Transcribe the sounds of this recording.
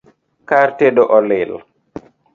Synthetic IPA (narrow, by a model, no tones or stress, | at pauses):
kaɾtedɔʔɔlil